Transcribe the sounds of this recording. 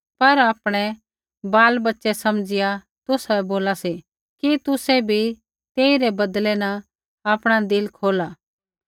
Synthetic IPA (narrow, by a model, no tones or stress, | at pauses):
pɐɾaːpɽ̃ɛ | baːlbɐtːʃɛsɐmd͡ʒɪja | t̪ʊsboːlasi | kit̪ʊsɛbʱi | t̪eːiɾɛbɐd̪lɛna | aːpɽ̃ad̪ɪlkʰoːla